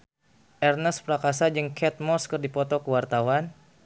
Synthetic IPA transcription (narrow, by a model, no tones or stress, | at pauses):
ʔɛrnəspɾakasad͡ʒəŋkʰɛt̪̚mɔskərdipɔt̪ɔkəwart̪awan